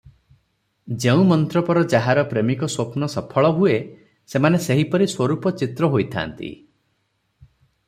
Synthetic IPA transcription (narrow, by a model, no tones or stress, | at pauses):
d͡ʒeũmɔnt̪ɾɔpɔɾɔd͡ʒaɦaɾɔpɾemikɔswopnɔsɔpʰɔɭɔɦue | semaneseɦipɔɾiswɔɾupɔt͡ʃit̪ɾɔɦojt̪ʰa̰nt̪ḭ